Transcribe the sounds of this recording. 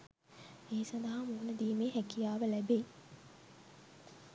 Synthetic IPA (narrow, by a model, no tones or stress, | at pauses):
eːsɐnd̪ɐɦamuːnəd̪iːmeːɦækijaːʋəlæbe